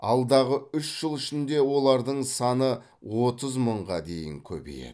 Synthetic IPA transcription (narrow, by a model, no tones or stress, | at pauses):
ɑ̰lˠd̪ɑʁəʏʃʒ̥əlˠɪʃɪnd̪e̞wo̞lˠɑɾd̪əɴsɑnə | wo̞t̪əzməɴʁɑd̪e̞̰jɪ̰ŋkʲʰɵ̰bḛjḛ